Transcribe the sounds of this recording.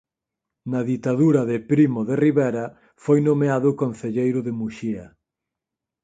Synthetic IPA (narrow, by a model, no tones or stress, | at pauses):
nɐðit̪aðuɾɐðɪpɾimʊðeriβɛɾɐ | fojnomeaðʊkon̟θeʎejɾʊðɪmuʃiɐ